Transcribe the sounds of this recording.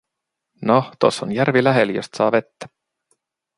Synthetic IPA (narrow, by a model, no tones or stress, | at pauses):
noht̪o̰sːonjærvilæɦeljost̪sɑːve̞t̪ːæ̥